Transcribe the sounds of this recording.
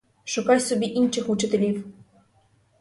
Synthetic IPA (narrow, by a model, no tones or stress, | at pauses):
ʃʊkajsɔbʲiʔinʃɪxut͡ʃɪt̪elʲiw